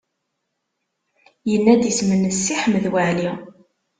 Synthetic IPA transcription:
jənːæd̪əsmənːəsːiħəmːəðwəʕli

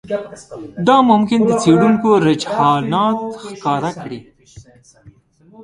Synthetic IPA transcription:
d̪ɑmʊmkɪnd̪ət͡seɽuŋkoɾɪd͡ʒhɑnɑt̪xkɑɾakɽi

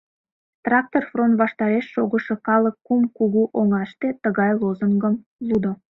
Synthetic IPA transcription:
t̪rɑk̚t̪orfront̪βɑʃt̪ɑɾeʃːoɣəʃɤkɑləkːumkuɣuʔoŋɑʃt̪et̪əɣɑjlozəŋɡəmlud̪o

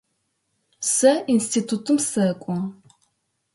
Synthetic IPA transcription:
sɐinstʰiːtʰutʰɨmsɐkʷʼɔ

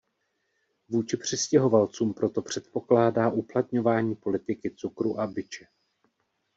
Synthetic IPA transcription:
vuːt͡ʃɪpr̝̥ɪscɛɦo̞valt͡suːmpɾo̞t̪o̞pr̝̥ɛt̪̚po̞klaːdaːʔuplat̪ɲo̞vaːɲiːpo̞lɪt̪ɪkɪt͡sukɾuʔabɪt͡ʃɛ

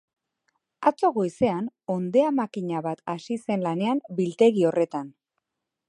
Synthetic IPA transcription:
at͡so̞ɣojse̞ano̞nd̪e̞amakiɲaβat̪asise̞nlane̞ambilt̪e̞ɣio̞re̞t̪an

